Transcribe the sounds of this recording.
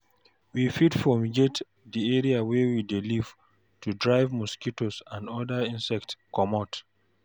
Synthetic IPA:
wifidfɔmiɡet | diɛɹiawɛwidiliv | tudɹaɪvmuskitosãndɔdaĩnsɛk̚tkɔmɔt

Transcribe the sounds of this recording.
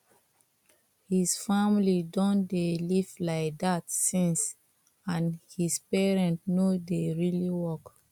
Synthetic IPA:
hisfamlidɔ̃ndelivlaɪk̚datsĩns | ãnhispɛɹɛ̃ntnodeɹiliwɔk

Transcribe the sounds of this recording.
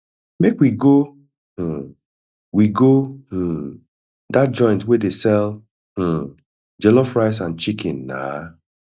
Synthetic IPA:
mekwiɡo | h̩ | wiɡoh̩ | dat̚d͡ʒɔ̃ɪ̃ntwedesɛl | h̩ | d͡ʒɛlɔfɹaɪs̬ãnt͡ʃikĩnːa̰

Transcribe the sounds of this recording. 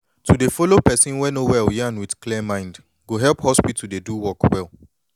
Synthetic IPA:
tʰudefolopɛsĩnwɛnowɛljɛãnwidkliəmãɪ̃nd | ɡoɦɛlˠphɔspitʰudeduwɔkwɛlˠ

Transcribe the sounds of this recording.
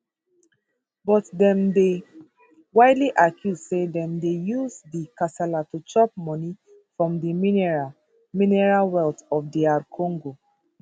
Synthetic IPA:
bɔtdɛ̃mde | waɪdliʔakʰjussedɛ̃mdejuzdikasɛlatut͡ʃɔp̚mɔni | fɹɔ̃mdiminɹ | minɛɹalwɛltɔfdiaɾkʰɔ̃ŋɡo

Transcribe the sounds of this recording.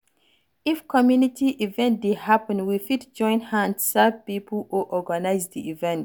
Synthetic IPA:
ifkʰɔmjunitiʔivɛ̃nt̚dehapə̃nwifitd͡ʒɔ̃ɪ̃nhãndsavpipluʔɔɡanaɪzdiivɛ̃nt

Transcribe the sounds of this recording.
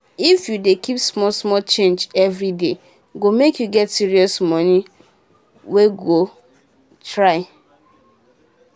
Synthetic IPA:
ifjudekipsmɔlsmɔlt͡ʃẽnd͡ʒɛvɾide | ɡomekjuɡɛtsiɹiɔsmɔni | weɡo | tɹaɪ

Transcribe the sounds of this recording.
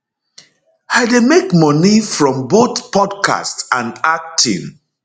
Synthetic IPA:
aɪdemekmɔnifɹɔ̃mboθpʰɔdkʰa̰stãnak̚tʰḭ̃n

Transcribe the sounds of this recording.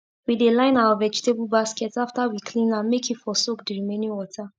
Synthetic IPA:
widelãɪ̃nawavɛd͡ʒi̥tebulbaskɛtsaftawikʰlĩnãnmekʰitfɔsok̚diɹimẽnĩwɔtʰa

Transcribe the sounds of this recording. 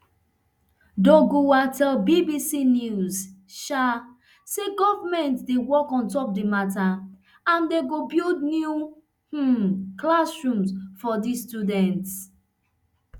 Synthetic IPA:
doɡowatʰɛlbibisinjuzʃa | seɡɔvamɛ̃ntdewɔkɔ̃ntɔp̚dimata | ãndeɡobildnju | h̩klasɹũmsfɔdistjudɛ̃nt

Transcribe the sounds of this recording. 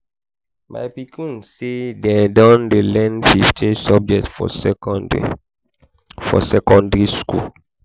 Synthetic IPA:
ma̰jpikĩnsedɛdɔ̃ndelɛ̃nfift͡ʃẽsɔb̚d͡ʒɛk̚tfɔ̰ | fɔ̰sɛkɔ̃ndɹiskṵl

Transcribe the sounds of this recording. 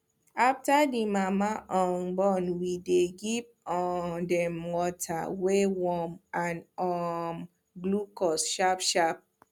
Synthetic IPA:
aftadimamaʔɔ̃nbɔnwideɡiv | ɔdɛmwɔtʰa̰wewɔmãnɔm | ɡlukɔsʃapʃap̚

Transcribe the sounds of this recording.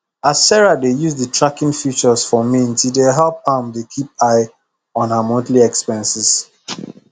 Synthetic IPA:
asɛɹadejuzdətɹakĩŋfit͡ʃəsfɔmĩntildeɦɛlp̚hãmdekʰip̚aɪ | ɔ̃nhamɔ̃ntliɛkspɛ̃nsɪs

